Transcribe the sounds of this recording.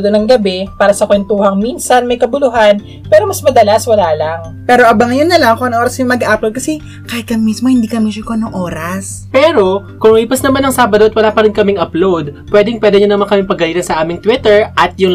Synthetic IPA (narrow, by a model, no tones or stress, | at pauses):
d̪onɐŋɡɐbɛpaːɾɐsɐkwɛnt̪uːhɐŋminsɐnmɐjkɐbʊlʊɦan | pɛːɾomɐsmɐd̪ɐlaswɐlaːlaŋ | pɛːɾo̞ʔɐbaŋɐjonːɐlɐŋkoʔɐnʔoːɾɐsjʊŋmɐɡaʔaːplowd̪̚kɐsɛ | kaːhɪt̪̚kɐmmismohɪnd̪iːkɐmiʃɪkoɐnoŋʔoːɾas | pɛːɾo̞kʊŋliːpɐsnɐmanːɐŋsaːbɐd̪oʔɐt̪̚wɐlaːpɐɾɪnkɐmɪŋʔɐplowd̪̚pwɛːd̪ɪŋpwɛːd̪ɛɲonɐmakɐmɪŋpɐɡɐliːt̪ɐnsɐʔaːmɪŋt̪wit̪ɛɹʔɐt̪̚jʊŋ